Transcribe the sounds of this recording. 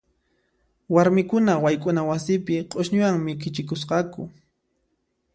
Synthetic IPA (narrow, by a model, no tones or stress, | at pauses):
waɾmɪkʊnawajkʼʊnawasɪpɪqʼoʃɲʊwaŋmɪkɪt͡ʃɪkʊsqɑkʊ